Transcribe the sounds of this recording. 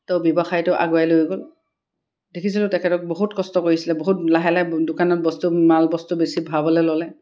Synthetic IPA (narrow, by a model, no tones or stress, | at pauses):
tɛʊbɔbaxajtʊʔa̰ɡoajlojɡol | dekʰisilʊtɛkʰɛtɔk̚boɦutkɔstɔkoɹisilɛboɦut̚laɦɛladʊkanɔt̚bɔstumalbɔstubesibʱabɔlɛlɔlɛ